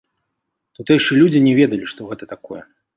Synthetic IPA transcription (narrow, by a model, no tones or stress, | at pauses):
t̪ut̪ɛjʂɨlʲud͡zʲinʲɛvʲɛd̪ɐlʲiʂt̪ɔɣɛt̪ɐt̪akɔjɛ̰